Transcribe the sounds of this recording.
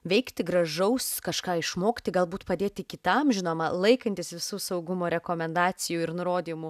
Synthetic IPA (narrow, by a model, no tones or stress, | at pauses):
ʋʲɛɪkt̪ʲɪɡɾɐʒɐʊskɐʃkɑːɪʃmoːkʲt̪ʲɪɡɐlˠbuːt̪pɐd̪ʲeːt̪ʲɪkʲɪt̪ɐmʒʲɪnoːmɐlˠɐɪkɐnʲt̪ʲɪsʋʲɪsuːsɐʊɡʊmoːɾʲɛkoːmʲɛnd̪ɑːt͡s̪ʲɪjuːɪɾnʊɾoːd̪ʲiːmʊ